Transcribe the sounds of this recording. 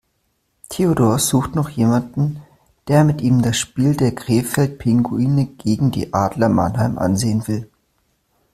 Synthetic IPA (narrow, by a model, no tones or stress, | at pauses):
tʰeodoːɐz̥uːxtnɔχjeːmandn̩ | d̥eːɐmɪtʔiːmdasʃpiːldeːɐɡʁeːfɛlt̚pʰɪŋɡuiːnəɡ̥eːɡŋ̩dḭːʔaːdlɐma̰nɦaɪmʔa̰nzeːənvɪl